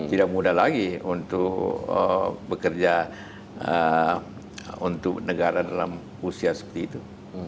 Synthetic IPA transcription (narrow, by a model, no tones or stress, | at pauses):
t̪idak̚mudahlaɡiunt̪ʊkə̰bəkərd͡ʒa | ə | unt̪ʊk̚nəɡaɾadala̰m | usiasə̥pərt̪iːt̪u